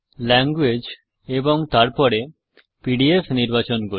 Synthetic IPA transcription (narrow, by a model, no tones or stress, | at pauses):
lɛŋɡwed͡ʑ | eboŋt̪aɾpɔɾe | piɖiefniɾbat͡ɕonko